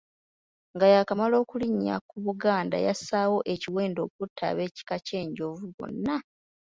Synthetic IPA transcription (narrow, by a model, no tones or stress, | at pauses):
ŋɡajakamalo̞ːkuliɲːa̰kuβuɡaːnda̰jasaːwo̞ʔe̞ciwe̞ːndo̞ːkutʰːa̰βe̞ːci̥kace̞ːɲɟo̞vuβo̰nːa